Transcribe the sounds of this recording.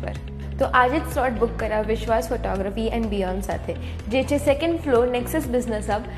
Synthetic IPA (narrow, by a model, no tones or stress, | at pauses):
pɐ̰ɾ | t̪oːʔaːd͡ʒɪt̪slɔːʈbʊkːɐɾaʋɪʃwaːsfoːʈɔːɡɾəfiːɛ̃ːnɖbiːãːmnsa̰ːt̪ʰɦɛ | d͡ʒɛːt͡ʃʰesɛkə̃ɳɖfloːnɛksəsbɪznəsɐb